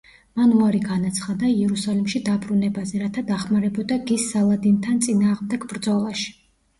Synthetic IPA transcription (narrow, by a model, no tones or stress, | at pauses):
manuaɾiɡanat̪sʰχad̪aiɛɾusalimʃid̪abɾunɛbazɛɾat̪ʰad̪aχmaɾɛbɔd̪aɡisːalˠad̪int̪ʰant̪sʼinaːʁmd̪ɛɡbɾd̪zɔlˠaʃi̥